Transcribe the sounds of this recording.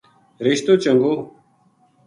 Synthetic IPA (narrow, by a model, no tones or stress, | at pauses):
ɾɪʃt̪oːt͡ʃəŋɡoː